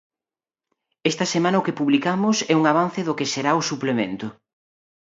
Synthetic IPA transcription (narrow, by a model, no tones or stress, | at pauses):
ɛst̪ɐsemãnɐʊkepuβlikamʊsɛuŋaβ̞an̟θɪðʊkeseɾaʊsuplemḛ̃nt̪ʊ